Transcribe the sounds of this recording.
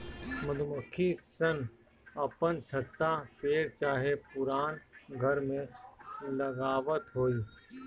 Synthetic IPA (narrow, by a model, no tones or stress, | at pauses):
məd̪ʱuməkʰːisən | ɐpənt͡ʃʰət̪ːapeːɾt͡ʃaːɦepʊɾaːnɡʱəɾmẽlɐɡaːʋət̪ɦoːiː